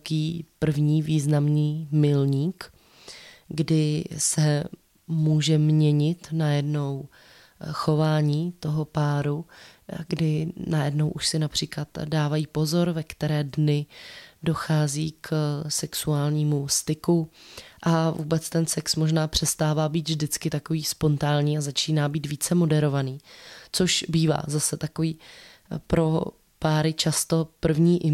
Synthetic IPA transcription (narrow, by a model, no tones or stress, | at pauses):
kiːpr̩vɲiːviːznamniːmɪlɲiːk | ɡdɪsɛ | muːʒɛmɲɛɲɪt̪najɛdno̞w | xo̞vaːɲiːt̪o̞ɦo̞paːɾuɡdɪnajɛdno̞wʔuʃsɪnapr̥iːklat̪daːvajiːpo̞zo̞ɾvɛkt̪ɛɾɛːdnɪdo̞xaːziːksɛksuaːlɲiːmust̪ɪkuʔavṵːbɛt͡st̪ɛnsɛksmoʒnaːpr̝̥ɛst̪aːvaːbiːt̪vʒdɪt͡skɪt̪ako̞viːspo̞nt̪aːɲiːazat͡ʃiːnaːbiːt̪viːt͡sɛmo̞dɛɾo̞vaniːt͡so̞ʃbiːva̰ːzasɛt̪ako̞viː | pɾo̞ | paːɾɪt͡ʃast̪o̞pr̩vɲiːʔɪ